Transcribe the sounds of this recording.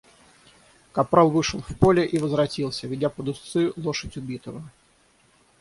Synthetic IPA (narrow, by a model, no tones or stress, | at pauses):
kɐpɾalˠvɨʂəlˠfpolʲɪʔivəzvɾɐtʲilˠsʲəvʲɪdʲapəd̪ʊst̪sɨlˠoʂətʲʊbʲit̪əvə